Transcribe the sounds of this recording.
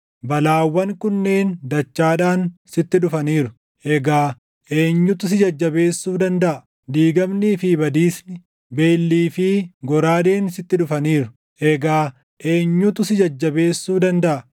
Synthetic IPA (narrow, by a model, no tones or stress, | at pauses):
bɐlaːwːɐŋkʊnːe̞ːnd̪ɐt͡ʃːaːᶑaːnsɪt̪ːɪᶑʊfɐniːɾʊ̥ | ʔɛɡaː | ʔe̞ːɲːʊt̪s̬ɪd͡ʒɐd͡ʒːɐbe̞ːsːuːd̪ɐnd̪ɐʔɐ | d̪iːɡɐmniːfɪbɐd̪iːsnɪ | be̞ːlːiːfɪɡɔɾaːd̪e̞ːnsɪt̪ːɪᶑʊfɐniːɾʊ̥ | ʔɛɡaː | ʔe̞ːɲːʊt̪ʊsɪd͡ʒɐd͡ʒːɐbe̞ːsːuːd̪ɐnd̪ɐʔɐ